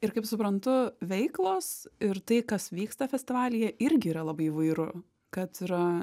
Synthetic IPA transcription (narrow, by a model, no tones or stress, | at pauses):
ɪɾkɐɪpsʊpɾɐnt̪ʊʋʲɛɪklˠoːsɪɾt̪ɐɪkɐsʋʲiːkst̪ɐfʲɛsʲt̪ʲɪʋɑːlʲɪjɛɪɾʲɡʲɪiːɾɐlˠɐbɐɪiʋɐɪɾʊ | kɐt̪iɾɐ